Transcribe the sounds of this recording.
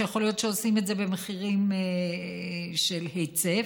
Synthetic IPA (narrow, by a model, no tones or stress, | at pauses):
jaχo̞lijo̞t̪ʃeosimetze̞bemeχiʁime | ʃelhet͡se